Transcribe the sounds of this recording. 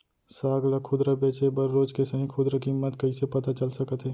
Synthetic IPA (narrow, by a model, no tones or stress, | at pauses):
saːɡləkʰʊd̪ɾəbeːt͡ʃebəɾːoːd͡ʒkesəɦĩkʰʊd̪ɾəkimːət̪kɐɦisepɐt̪at͡ʃəlsəkət̪ɦɛː